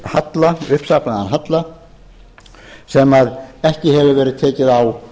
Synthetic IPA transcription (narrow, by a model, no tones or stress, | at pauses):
hat̪laʏhpsapnaða̰nɦat̪la | sɛmaðɛhcɪhɛvʏvɛːɾɪðt̪ʰɛːcɪðaw